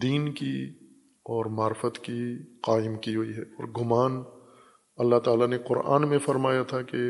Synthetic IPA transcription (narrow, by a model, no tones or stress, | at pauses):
d̪iːnki | ɔːɾmaːɾfət̪kiqaːɪmkiɦʊiɦɛːɔːɾɡʊmaːn | ɐlːaɦt̪aːlaneqʊɾʔa̰ːnmẽfɐɾmaːjat̪ʰake